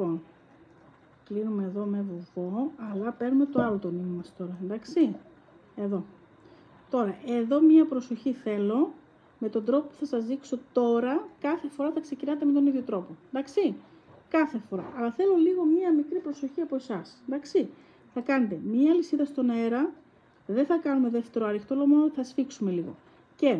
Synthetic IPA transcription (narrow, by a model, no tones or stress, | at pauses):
on | klinume̞ːðo̞mevuvo̞ɐlɐpe̞ɾnume̞t̪oɐlot̪o̞nimɐst̪o̞ɾɐend̪ɐksi | e̞ðo̞ | t̪o̞ɾɐʔe̞ðo̞mɲɐpɾoso̞çiθe̞lo̞ | me̞t̪o̞nd̪ɾ̞popu̥θɐsɐzðikso̞t̪o̞ɾɐkɐθe̞fo̞ɾɐθɐkse̞cinɐt̪emet̪o̞niðʝo̞t̪ɾo̞po̞end̪ɐksi | kɐθe̞fo̞ɾɐ̰ʔɐlɐθe̞lo̞liɣo̞mɲɐmikɾipɾo̞so̞çiɐpo̞e̞sɐsend̪ɐksi | θɐkɐne̞t̪e̞mɲɐːlisiðɐst̪o̞ne̞ɾɐ | ðeθɐkɐnume̞ðe̞ft̪e̞ɾoɐɾixt̪o̞lo̞monoθɐsfiksume̞liɣo̞̰ | ce̞